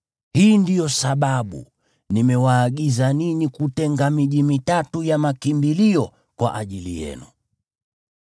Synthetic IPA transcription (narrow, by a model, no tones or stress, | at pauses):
hiːndijɔsaɓaɓṵ | nimɛwaːɠizaninikutɛŋɡamiʄimitatujamakimbiliɔ | kwa̰ʔaʄilḭjɛ̰nṵ